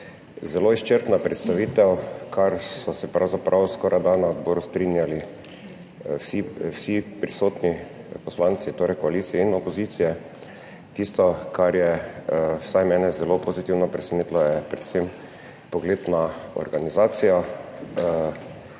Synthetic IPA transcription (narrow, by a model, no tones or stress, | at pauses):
zɛloist͡ʃəɾt̪napɾɛt̪st̪aʋiːt̪ɛwkʰaɾsɔsɛpɾa̰wzapɾʔawskɔɾʔajd̪anad̪bɔːɾust̪ɾinjali | wsiwsipɾisoːt̪ni | pɔslant̪sit̪oːɾɛjkɔaliːt̪sijɛinɔpoziːt̪sijɛ | t̪ist̪ɔkaɾjɛ | wsajmɛːnɛzɛlopozit̪iwnɔpɾɛsɛnit̪lɔjɛpɾɛt̪sem | pɔɡleːd̪naɔ̰ɾɡanizaːt̪sija